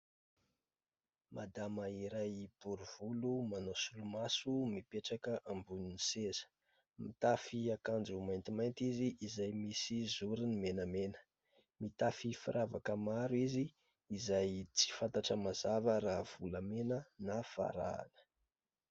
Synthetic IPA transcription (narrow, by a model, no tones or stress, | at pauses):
mad̪amaiɾajb̥uɾuv̥ulumanosulumasumipeʈ͡ʂakəʔambuninisezə̥ | mit̪afiakand͡zumajnt̪imajnt̪iziʔːzajmisizuɾinimenəmenə̥ | mit̪afifiɾʔavakəmaɾuiziː | zajt͡si̥fant̪aʈ͡ʂəmazavəɾaɦv̥uləmenənafa̰ɾa̰a̰lə̥